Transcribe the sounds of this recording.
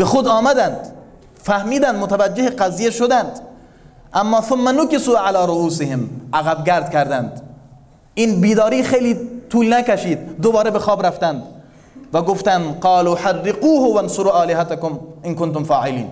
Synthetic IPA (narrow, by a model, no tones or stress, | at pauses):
b̥exod̪ɑːmæd̪ænd̪ | fæhmiːd̪ænd̪mot̪ævæd͡ʒːeheqæzijeʃod̪ænd̪ | ʔæmːɑːθʊmːænʊkɪsuːʕalɑːɾoʔuːsɪhɪmʔæɣæbɡʲæɾd̪kʲæɾd̪ænd̪ | ʔiːnbiːd̪ɒːɾiːxejliːt̪ʰuːlnækæʃiːd̪ːobɒːɾebexɒːbɾæft̪ænd̪ | væɡoft̪ænd̪qɑːluːħarːɪquːhʊvænsʊɾuːʔɑːlɪɦat̪akomʔɪnkont̪omfɑːʕɪlḭːn